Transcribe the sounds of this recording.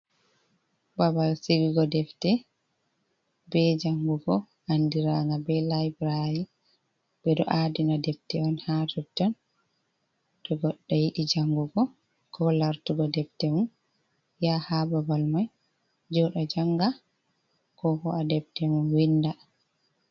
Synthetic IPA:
babalsiɡiɡɔdɛftɛ | bɛd͡ʒaŋɡuɡɔ | ʔandiɾaŋɡabɛlajbɾaɾi | bɛɗɔ̰ʔadinadɛftɛɔnhatʰutːɔn | ɗɔɡɔɗːajiɗid͡ʒaŋɡuɡɔ | kɔlaɾtuɡɔdɛftɛmun | jahababalmaj | d͡ʒɔɗad͡ʒaŋɡa | kɔkɔadɛftɛmunwinda

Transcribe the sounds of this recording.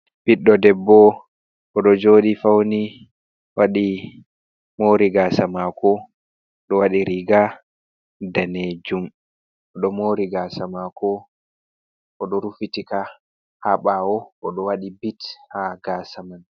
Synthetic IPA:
b̥iɗːɔdɛbːɔ | ʔɔɗɔd͡ʒoːɗifawni | waɗi | moɾiɡasamakɔ | ɗɔwaɗiɾiɡa | daned͡ʒum | ʔɔɗɔmoɾiɡasamakɔ | ʔɔɗɔɾufitika | haɓawɔʔɔɗɔwaɗibithaɡasaman

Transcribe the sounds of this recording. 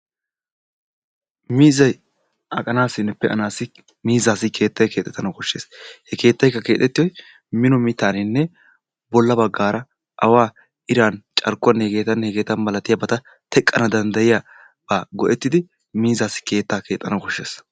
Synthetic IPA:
miːzɐj | ʔɐkʼɐnaːsɪnːɛpːɛʔɐ̰naːsɪ | miːzaːsɪkʰe̞ːt̪ːɐjkʰe̞ːt̪ʼːɛt̪ːɐnɐkɔʃːe̞ːshɛke̞ːt̪ːɐjkːɐke̞ːt̪ːɛt̪ːɪjɔj | mɪnɔmɪt̪ːaːnɪnːɛ | bɔlːɐbɐɡːaːɾɐ | ʔɐwaː | ʔɪɾaːnt͡ʃʼɐɾkːʊɐneɡe̞ːt̪ɐneɡe̞ːt̪ɐnbɐlɐt̪ɪjabɐt̪ɐ | t̪ɛkʼːɐnɐd̪ɐnd̪ɐjɪja | b̥aːɡɔʔɛt̪ːɪd̪ɪ | miːzaːsɪ̥ke̞ːt̪ːaːke̞ːt̪ʼːɐnɐkɔʃːe̞̰ːs

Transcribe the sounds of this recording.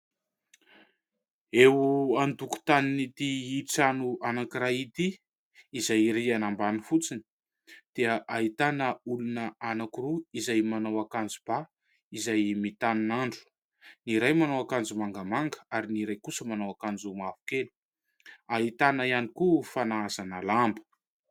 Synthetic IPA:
euand̪uku̥t̪aninit̪iit͡sanuanakiɾait̪iː | zajɾianambanifut͡sini̥ | d̪̥eəʔaɦit̪anəulunəanakuɾuizajmanawakand͡zub̥a | izajmit̪aninaɳɖ͡ʐu̥ | niɾajmanawakand͡zumaŋɡəmaŋɡəaɾiniɾajkusəmanawakand͡zumavu̥kenu̥ | aɦit̪anəianikufanaazanalambə̥

